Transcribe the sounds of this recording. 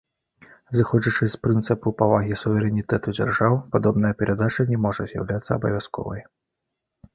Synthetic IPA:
zɨxɔd͡ʒɐt͡ʂɨspɾɨnt̪sɨpupavaɣʲisuvʲɛɾɛnʲit̪ɛt̪ud͡zʲa̰rʐawpad̪ɔbnɐjɐpʲɛɾʔad̪at͡ʂɐnʲɛmɔʐɐzʲja̰wlʲat̪sːɐːbɐvʲjaskɔ̰vɐ̰j

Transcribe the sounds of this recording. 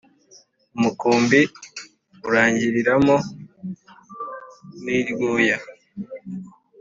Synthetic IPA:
umukuːmbi | uɾaːɲɟiɾiɾamo | niːɾɡuːja

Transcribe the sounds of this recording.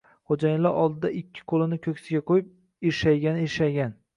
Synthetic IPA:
χod͡ʒajɪlːaɾɒ̰lˠd̪ɪd̪aʔɪkʲʰːɪ̥qʰolɪnɪkʲʰɵkʲsɪɡʲaqʰojɪp̚ | eʃajɡʲanɪeʃajɡʲan

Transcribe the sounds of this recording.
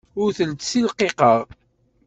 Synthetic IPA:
ʊɾθəlt̪silqeqəʁ

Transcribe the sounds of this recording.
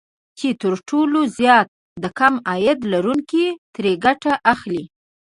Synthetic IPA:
t͡ʃet̪əɾʈolozjɑt̪̚ | d̪əkamɑjad̪laɾuŋkit̪ɾeɡaʈaʔaxli

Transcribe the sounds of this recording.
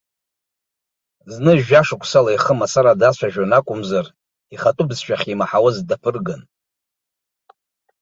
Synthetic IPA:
znɨʒᶣaʂɨkʷʰʼsalaiχəmasaɾadat͡ɕʷʰaʒᶣanakʷʼʊmzar | iχatʼʊbzʃᶣaχʲimaħawʊzdapʰɨrɡan

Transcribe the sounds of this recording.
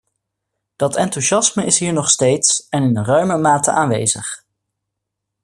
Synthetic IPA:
d̥ɑtɛntuʃɑsməʔɪsɦiːɹnɔχstejtsɛnɪndərœɥməmaːtə̰ʔaːnʋḛjzə̰χ

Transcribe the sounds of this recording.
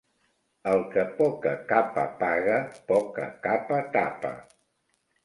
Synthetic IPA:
əlˠkəpɔkəkapə̰paɣəpɔkə̰kapət̪apə̰

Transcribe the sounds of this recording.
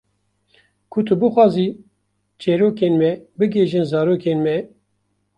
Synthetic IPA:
kʰʊt̪ʰɨbɨxʷɑːzi | t͡ʃɛɾoːkeːnmɛbɨɡeʒɨnzɑːɾoːkʰeːnmɛ

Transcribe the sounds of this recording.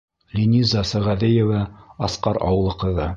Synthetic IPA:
lʲinʲizɑsæ̆ʁæðɘjevɑɑsqɑɾɑ̰wɤ̆lˠɤ̆qɤ̆ðɤ̰

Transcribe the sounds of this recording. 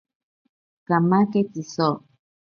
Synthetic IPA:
kamãketisɔ

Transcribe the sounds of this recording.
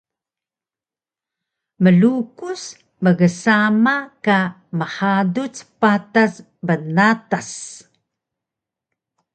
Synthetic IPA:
məɮukus | məɣəsamaka | məħadut͡spatas | bənatas

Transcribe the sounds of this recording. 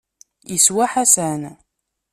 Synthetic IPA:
jəswaħæsæn

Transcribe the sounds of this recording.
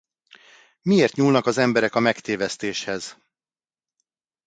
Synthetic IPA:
mieːrt̪ɲuːlnɒkɒzɛmbɛɾɛkɒmɛkt̪eːvɛst̪eːʃhɛz̥

